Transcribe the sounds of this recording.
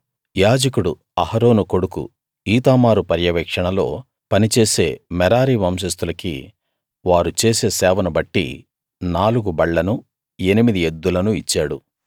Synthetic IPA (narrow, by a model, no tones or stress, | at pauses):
jaːd͡ʒɐkuɽu | ɐhɐɾo̞ːnuko̞ɽukṵ | iːt̪aːmaːɾupɐɾjɐʋɛːkʂɐɳɐlo̞̰ː | pɐnit͡ʃe̞ːse̞ːmɛɾaːɾiːʋɐmʃ̬ɐs̬t̪ulɐkḭ | ʋaːɾut͡ʃeːse̞ːsɛːʋɐnubɐʈːḭ | naːluɡubɐɭːɐnu | e̞nimid̪ied̪ːulɐnuit͡ʃːaːɽu